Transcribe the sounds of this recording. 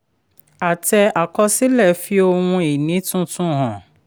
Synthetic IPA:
a˨tɛ˧a˨kɔ˧si˦lɛ˦˨fi˧˦o˧wũ˧i˨nĩ˨˦tũ˦tũ˦ɦɔ̃˨

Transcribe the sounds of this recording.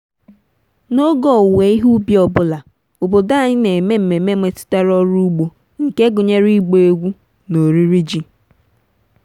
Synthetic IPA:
no˦ɡɔ˦˨we˨˦i˦ɦu˦bi˦ɔ˨bʊ˦la˨ | o˨bo˨da˦˨ɲɪ˦ne˨me˦m̩˨me˨˦me˦me˨tɪ̥˦ta˦ɾɔ˦ɾu˦ɡ͡bo˨ | ŋ̩˨ke˦ɡʊ˨ɲe˦ɾi˦ɡ͡bo˨e˦ɡʷu˦ | no˨ɾi˦ɾi˦d͡ʒi˨

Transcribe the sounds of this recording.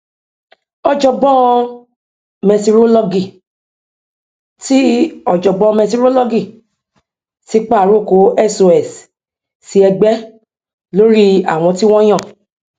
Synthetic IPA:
ɔ˧d͡ʒɔ˧ɡ͡bɔ˦˧ | mɛ̃˧ti˧ɾo˦lɔ˧ɡi˨ | ti˦ɔ˨d͡ʒɔ˨ɡ͡bɔ̃˦˧mɛ̃˧t̬i˧ɾo˦lɔ˦ɡi˦˨ | ti˦k͡pa˦˨ɾo˦˨ko˨˦ɛ˦˨so˧ɛ˨s | si˧ɛ˧ɡ͡bɛ˦ | lo˦ɾi˦a̰˨w̃ɔ̃˧ti˦w̃ɔ̃˦j̃ã˦˨

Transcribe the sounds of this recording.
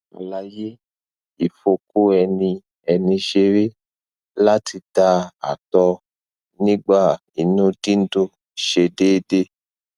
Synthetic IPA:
a̰˨la˧je˦ | i˨fo˧ko˦ɛ˧nĩ˧ | ɛ˧nĩ˧ʃe˧ɾe˦ | la˦tʰi˧ta˧˦a̰˨tɔ˧ | nĩ˦ɡ͡ba˦˨ | i˨nũ˦di˦n̩˦du˧ | ʃe˧deː˦de˦

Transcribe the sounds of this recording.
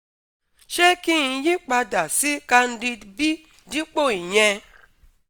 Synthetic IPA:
ʃe˦ki˦˨˧ji˦k͡pa˧da˨si˦ka˧n̩˦di˧bi˦ | di˦k͡po˦˨i˨ɲɛ̃˧

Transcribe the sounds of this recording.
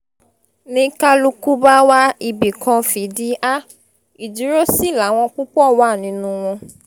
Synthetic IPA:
nĩ˧ka˦lu˧ku˦ba˦wa˦i˧˨bi˨kʰã˧fi˨˦di˦a˦ | i˨d͡ʒi˨˦ɾo˦si˦˨la˨˦w̃ɔ̃˧ku˦k͡pɔ˦˨wa˦˨nĩ˨˧˦nũ˧˦w̃ɔ̃˧

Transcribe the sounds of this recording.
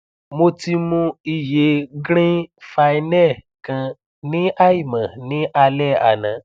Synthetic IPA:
mo˧ti˧mũ˧i˦˨je˨˦ɡɾ̃ĩ˦fa˧i˧nɛ˦˨ | kã˧ | nĩ˦ʔa˦i˦˨mã˨nĩ˨˦ʔa˧lɛ˦˨a̰˨nã˨

